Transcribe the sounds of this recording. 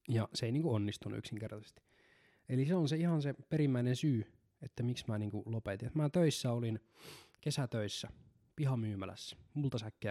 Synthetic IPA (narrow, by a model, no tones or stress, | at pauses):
jɑseˑiniːŋkuonːist̪unːṵy̰ksiŋkert̪ɑse̥st̪i̥ | eliseonseihɑnsepeɾimːæinensyː | et̪ːæmiksmæːniːŋkulopet̪inet̪mæːt̪øisːæolin | kesæt̪øisːæ | pihɑmyːmælæ̰sːæ̥mult̪ɑsækːe